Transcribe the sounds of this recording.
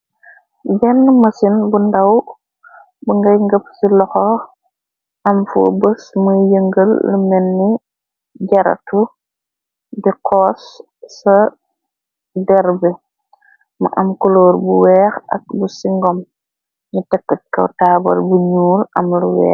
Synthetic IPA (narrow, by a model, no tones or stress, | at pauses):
bɛnːmɐsinbundɐw | buŋɡɐjŋɡəpsilɔxɔ | ʔɐmfo̰bəsmujəŋɡəlːumɛnːi | ɟɐɾɐ̰tu | diqʰɔːsː | ɐ | dɛɾbɛ | mɐ̰ʔɐmkɔloːɾbuwɛːxɐ̰k̚busiŋɡɔm | ɲutɛkːɐt̚kɐ̰wtaːbɐ̰lbuɲuːlʔɐmluwɛ̰ːx